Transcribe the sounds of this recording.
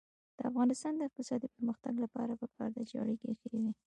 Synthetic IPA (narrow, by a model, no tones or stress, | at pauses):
d̪̥əafɣɑnɪst̪ɑnd̪əɪq̚t̪ɪsɑd̪ipəɾməxt̪aɡlapɑ̰ɾapəkɑ̰ɾd̪ad͡ʒɑ̰ɽikexəiwi